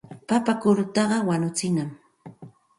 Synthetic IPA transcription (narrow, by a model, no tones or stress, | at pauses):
papakʊɾʊt̪ɑɢɑwanʊt͡sɪnam